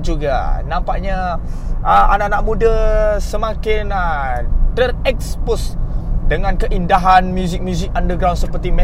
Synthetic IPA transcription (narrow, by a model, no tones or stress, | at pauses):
d͡ʒuɡa̰nãmpaʔ̚ɲa | əʔanaʔnaʔ̚mũdasəmakɪnətərɛkspʊsdəŋãnkəʔindaɦanmjuzɪk̚mjuzɪk̚andəɡɾawnsəpərt̪imɛ